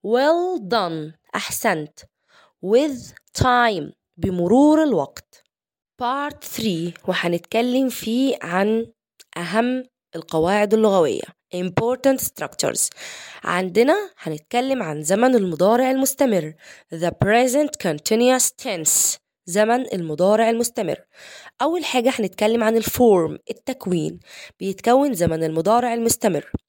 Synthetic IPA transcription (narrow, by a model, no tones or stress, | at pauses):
wɪld̪ɑnʔaħsænt̪ | wɪðt̪ʰajm | bɪmʊɾuːɾɪlwɑqt̪ | pɑːɾt̪θɾiːwɪħanɪt̪kælːɪmfiːʕan | ʔæɦæmː | ʔɪlqɑwaːʕɪd̪ɪlːʊɣæwɪ̰jːa̰ | ʔɪmpoːɾt̪ant̪st̪ɾɑkt͡ʃʊ̰ɾz̥ʕa̰nd̪enæħænet̪̚kælːemʕanzæmænelmod̪ˤɑːɾeʕelmost̪æmɪrːðəpɾezent̪kʰont̪ʰenjast̪ʰens | zæmænʔelmod̪ˤɑːɾeʕelmost̪æmɪ̰rːʔæwːælħaːɡæħænet̪̚kælːemʕanelfoːɾmʔet̪ːækwiːnb̥ejet̪kæwːenzæmænelmod̪ˤɑːɾeʕelmost̪æmɪ̰rː